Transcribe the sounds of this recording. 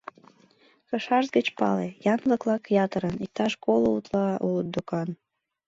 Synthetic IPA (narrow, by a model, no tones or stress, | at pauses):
kəʃɑʒzɡət͡ɕpɑ̰lejɑnləklɑkjɑt̪əɾənik̚t̪ɑʃkolout̪lɑulət̪̚d̪ukɑn